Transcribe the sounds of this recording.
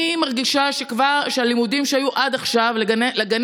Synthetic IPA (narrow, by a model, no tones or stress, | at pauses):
imaʁɡiʃaʃe̞kvaʁʃealimudimʃeajuʔad̪aχʃavleaneleɡan